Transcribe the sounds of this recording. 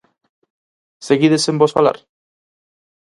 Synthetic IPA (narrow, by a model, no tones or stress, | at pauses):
seɣiðesembosfala̰ɾ